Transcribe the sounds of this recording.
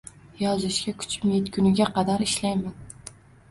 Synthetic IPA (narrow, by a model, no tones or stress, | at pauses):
jɒzɪʃkʲakʰʊ̥t͡ʃʰmjet̪kʲʰʊnɪɡʲaqʰɑd̪aɾɪʃlajman